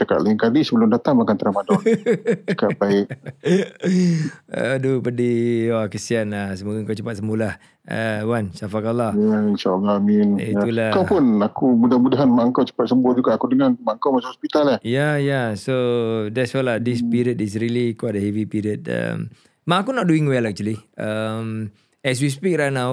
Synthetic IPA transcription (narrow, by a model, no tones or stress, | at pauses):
t͡ʃaka̰ʔ̪̚laiŋkalisəbəlʊmdat̪aŋakant̪əɾamadɔ | akaʔbaɪk̚ | ə̰dupədiwakəsianəsəmuɡaŋkawt͡ʃəpat̪̚səmbulah | ə̰wansafakalːahjainʃaalahminḭtulakawpʊnakumudamudaɦanmaəŋkawt͡ʃə̥pat̪̚səmbʊhd͡ʒuɡaakudəŋanmaŋkawmat͡ʃamhɔspit̪alahjajasodɛtswɛladispiɾiədis̬ɾilikuadəhɛvipiɾiət̚ə̰m | mãakunɔt̚duĩŋwɛlak̚t͡ʃuəliʔəm | ɛs̬wispik̚ɾanaw